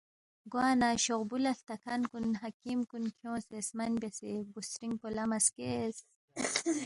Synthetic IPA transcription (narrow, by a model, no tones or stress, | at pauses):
ɡwaːnaɕoʁbulɐɬt̪ɐkʰankunɦakimkunkʰjõːsesmɐnbjasebusɾiŋɡ̚polamɐskes